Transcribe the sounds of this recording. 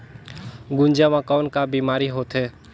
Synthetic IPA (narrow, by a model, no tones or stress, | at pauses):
ɡʊ̃nd͡ʒamãkɔːnkabimaːɾiɦoːt̪ɦeː